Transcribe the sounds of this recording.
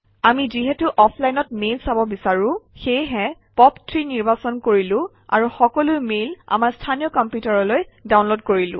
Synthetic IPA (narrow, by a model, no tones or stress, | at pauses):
amiziɦɛtuʔɔpʰlajnɔt̚melsabɔbisaɹʊ̃xejɦɛpɔptʰɹiniɹbasɔnkoɹilʊ̃ | a̰ɹuxɔkɔlʊjmela̰maɹstʰanijɔkɔmpjutaɹɔlojdaw̃nlodkoɹilʊ̰̃